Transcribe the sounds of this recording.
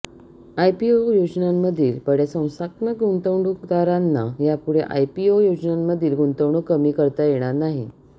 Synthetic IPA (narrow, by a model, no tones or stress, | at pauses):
ajpiojod͡ʑnamːəd̪ʱiːlpəɽjasə̃w̃saknəɡunt̪əwɳɖukd̪aɾanːajapuɽeʔa̰jpiojod͡ʑnamːəd̪ʱiːlɡunt̪əwɳɖukəmiːkəɾt̪ajeɽ̃aɾnaɦi